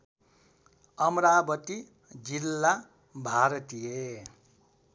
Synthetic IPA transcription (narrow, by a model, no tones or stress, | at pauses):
ʌmɾabʌt̪i | d͡zilːa | bʱaɾʌt̪ije